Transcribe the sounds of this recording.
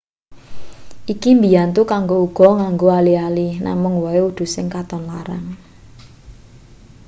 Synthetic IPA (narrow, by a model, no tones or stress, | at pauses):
ʔikimbijant̪ukaŋɡouɡ̥ɔ̤ŋaŋɡoalialina̰mʊŋwɔeud̪̥ṳsɪŋkat̪ɔnlaɾa̰n